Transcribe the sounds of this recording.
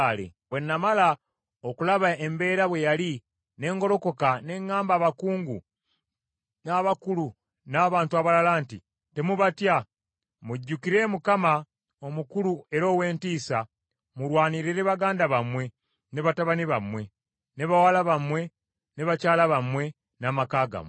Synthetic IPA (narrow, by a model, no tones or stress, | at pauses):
lḛβwe̞nːamala | okulaβae̞mbe̞ːɾaβwe̞jali | ne̞ːŋɡo̞ɾo̞ko̞kane̞ŋːaːmbaːβakuːŋɡu | naːβakulu | naːβaːntuaβalalanti | te̞muβatja | muɟːukiɾe̞mukama | o̞mukulue̞ɾo̞ːwe̞ːntiːsa | muɾwaːniɾeɾeβaɡaːndaβamwe̞ | ne̞βataβaniβamwe̞ | ne̞βawalaβamwe̞ | ne̞βacaːlaβamwe̞ | naːmakaːɡa̰mwe